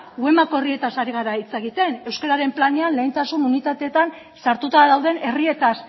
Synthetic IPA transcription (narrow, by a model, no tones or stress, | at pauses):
ɡue̞mako̞erie̞t̪asaɾiɣ̞aɾait͡se̞ɣ̞it̪e̞ne̞wskeɾaɾe̞mplaneanle̞jnt̪asununit̪at̪e̞ːt̪an | saɾt̪ut̪aðawð̞e̞ne̞rie̞t̪as